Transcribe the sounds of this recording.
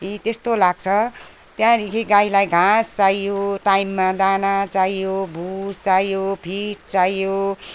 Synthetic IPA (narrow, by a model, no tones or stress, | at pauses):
it̪est̪olaɡ̚t͡sʰʌ | t̪jãdikʰiɡailajɡʱãst͡saijoʈaimːad̪anat͡saijobʱust͡sajjopʰiʈ̚t͡saijo